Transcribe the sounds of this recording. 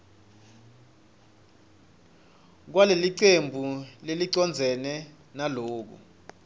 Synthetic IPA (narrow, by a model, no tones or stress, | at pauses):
k̬waleliǀembʱuleliǀɔnd͡zʱɛnɛ | naloːk̬ṵ